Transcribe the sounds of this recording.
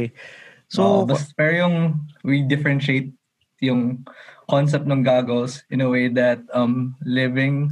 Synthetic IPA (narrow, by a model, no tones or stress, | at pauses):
sobɐsfɛɹjʊŋwid̪ɪfɛɾɛ̃nʃejt̪̚ | jʊŋkɔns̬ɛp̚t̪nɐŋɡaːɡolsʔɪ̃nɐwejd̪ɐt̪̚ɐmlɪvɪ̃ŋ